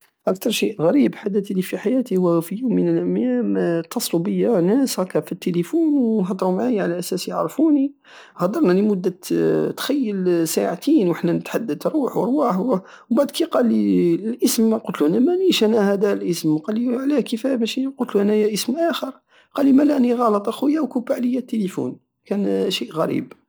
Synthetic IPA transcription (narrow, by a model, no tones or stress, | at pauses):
ʔæk̚t̪ɑɾˤʃiʔɣæɾibħad̪æt̪lifiħajæt̪ihʊwæfijumːənəlʔæmjæmt̪ːɑsˤlubəjːanæshækːæfit̪ːelifunwnɦɑd̪ˤɾumaʕajʕalæʔæsæsjəʕɾfuni | hɑd̪ˤɑɾˤnɑlimʊd̪ːæt̪xæjːəlsaʕat̪inwəħnænət̪ħad̪ːəd̪ɾuħwəɾˤwaħ | baʕd̪kiqɑlːilʔəsmːæqʊlt̪luʔænæmæniʃʔænæhæd̪ælʔəsmqɑlːiʕlækifæbæʃiqʊlt̪luʔænæjæʔəsmʔæxəɾˤ | qɑlːimælæʔniɣɑlət̪ˤʔɑxujːæwkʊbaʕləjːæt̪ːelifṵn | kænʃiʔɣæɾḭb